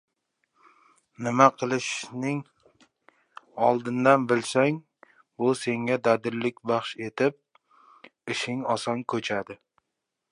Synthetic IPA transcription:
nɪmaqʰɨlˠɪʃnɪŋ | ɒlˠd̪ɪnd̪anbɪlsaŋ | bʊse̞ŋɡʲad̪ad̪ɪɾlːɪkʲbɑχʃe̞t̪ʰɪp̚ | ɪʃɪŋɒsɒnkʰɵt͡ʃʰad̪ɪ

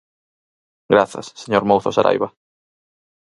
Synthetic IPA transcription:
ɡɾaθɐ̰sːeɲoɾmowθosaɾʔa̰jβa

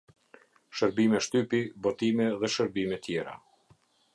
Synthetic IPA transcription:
ʃəɾbimɛʃt̪ypibɔt̪imɛðɛʃəɾbimɛt̪jɛɾa̰

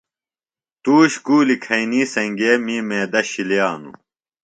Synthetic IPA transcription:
t̪uːɕkuːlikʰɐiniːsɐŋɡeːmiːmeːd̪ɐɕilijaːnṵ

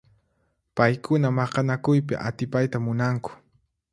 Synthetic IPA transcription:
pajkʊnamɑqɑnakʊjpɪ̰ʔa̰t̪ɪpajt̪amʊnaŋkʊ̥

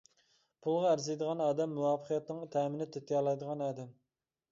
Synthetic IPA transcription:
pʰulˠʁɑæɾzejd̪əʁɑnɑːd̪ɛmːuwɑːpʰəqjɛt̪nɨŋt̪ʰɛːmɪnɪt̪ʰet̪ʰijɑlˠɑjd̪əʁɑnɑːd̪ɛm

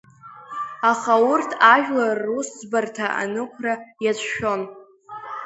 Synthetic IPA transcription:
aχaʊrtʰaʒᶣlarːuszbartʰaʔa̰nɨkʷʰrajat͡sʷʰʃo̞n

